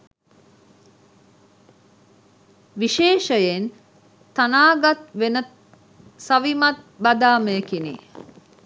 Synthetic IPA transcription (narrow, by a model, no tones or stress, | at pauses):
ʋiʃeːʃəjen | t̪anaːɡat̪ʋenət̪ | sɐʋimat̪̚ | bad̪aːməjəkinḭ